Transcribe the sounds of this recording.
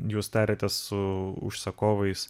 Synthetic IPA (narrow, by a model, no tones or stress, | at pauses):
juːst̪ɑːɾʲeːt̪ʲɛsʊʊ̰ʃsɐkoːʋɐɪs